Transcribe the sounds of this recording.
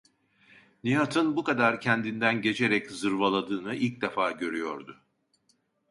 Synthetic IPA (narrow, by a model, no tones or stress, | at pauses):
nijat̪ʰɯnbukad̪aɾcʰɛnd̪ind̪ænɟe̞t͡ʃʰe̞ɾɛczɯɾvalˠad̪ɯːnɯilʲc̚d̪ɛfaːɟø̞ɾyjo̞ɾd̪ʊ